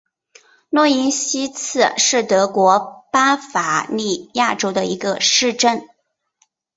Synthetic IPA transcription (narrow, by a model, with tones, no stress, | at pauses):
nwɔ˥i˧˥nɕi˥t͡sʰɹ̩˥˩ʂɻ̩˥˩t̪ɤ˧˥kwɔ˧˥pa˥fa˨˩li˥˩ja˥˩ʈ͡ʂo˥ʊd̪ə˧i˧˥ɡə˧ʂɻ̩˥˧ʈ͡ʂə˥˩n